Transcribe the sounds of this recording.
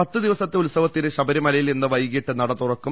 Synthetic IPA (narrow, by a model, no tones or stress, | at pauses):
ɐt̪ːɨd̪iʋɐsɐt̪ːeulsɐʋɐt̪ːinɨɕɐbɐɾimɐlɐjilenːɨʋɐjɣiʈːɨnɐɽɐt̪ːurɐkːu